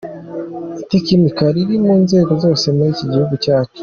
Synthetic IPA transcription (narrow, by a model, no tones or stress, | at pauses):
itekimikaɾiɾimuːnze̞ːɡo̞zo̞ːse̞muɾiːciɟihuɡucaːt͡ʃu̥